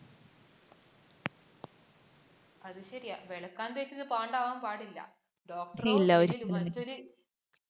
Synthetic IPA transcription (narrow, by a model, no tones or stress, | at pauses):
ɐðɨɕɐɾijaʋeɭɐkːaːnd̪et͡ɕːɐðɨpaːɳɖaːʋaːmpaːɽilːɐ̰ | ɖoːk̚ʈɐrilːɐoɾmɐtːoɾɨ